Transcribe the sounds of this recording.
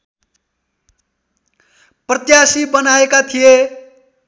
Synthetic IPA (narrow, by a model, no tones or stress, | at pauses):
prʌt̪jasibʌnaekat̪ʰije